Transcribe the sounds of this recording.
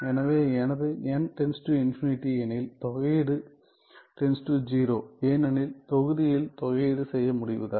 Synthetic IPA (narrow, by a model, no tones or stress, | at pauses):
enɐʋeenɐðeɲaːnʈenstuinfiniʈːienilt̪oɣeɽɨ | ʈenstud͡ʑiːɾoːeːnenilt̪oɣuðijilt̪oɣejɽɨsejːɐmuɽiʋṵðɐ